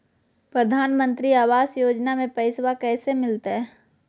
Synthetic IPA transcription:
pɾəd̪ʱaːnmə̃nt̪ɾiaːʋaːzjoːd͡ʒnamẽpɛɪswakɛːsemɪlt̪eɦɛː

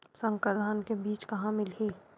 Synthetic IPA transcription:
sə̃ŋkəɾd̪ʱaːnkebiːt͡ʃkɐɦãmɪlɦeː

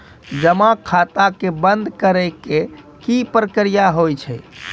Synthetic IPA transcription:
d͡ʒəmakʰat̪akebənd̪ʱkəɾɛke | kipɾəkɾijaɦojt͡ʃʰɛ

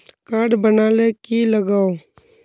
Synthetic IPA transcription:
kaːɾɖbənaːlekiləɡaːo

